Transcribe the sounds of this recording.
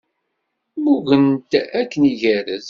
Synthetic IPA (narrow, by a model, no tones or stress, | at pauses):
muɣənt̪ækːəniʝæɾəz